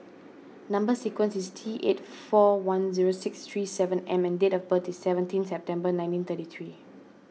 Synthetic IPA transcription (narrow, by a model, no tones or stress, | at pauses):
nãmbəsikwə̃nsistʰiʔḛtfɔwãnziɹosɪkst̪ʰɹiːsɛvə̃nɛ̃mɛ̃ndetɔfbətisɛvə̃ntʰĩnsɛp̚tɛ̃mbənãj̃ntĩnt̪ətit̪ʰɹi